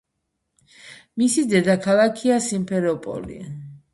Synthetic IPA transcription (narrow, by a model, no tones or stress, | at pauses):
misid̪ɛd̪akʰalˠakʰiasimpʰɛɾɔpʼɔ̰lḭ